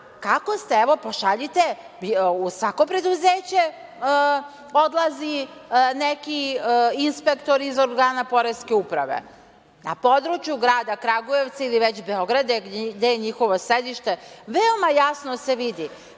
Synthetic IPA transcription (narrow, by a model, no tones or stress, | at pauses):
kako̞st̪eeʋo̞poʃaʎit̪e̞ | iusʋako̞pɾe̞d̪uzeːt͡ɕe̞ | o̞d̪lˠazinekiinspe̞kt̪o̞ɾizoɾɡaːnapo̞ɾeskeupɾa̰ʋḛ | na̰po̞d̪ɾut͡ʃjuɡɾaːd̪akɾaɡoje̞ʋt̪sailiʋet͡ɕbeo̞ɡɾad̪ed̪ejeɲixo̞ʋo̞sɾed̪iʃt̪e̞ʋeo̞majasnose̞ʋid̪i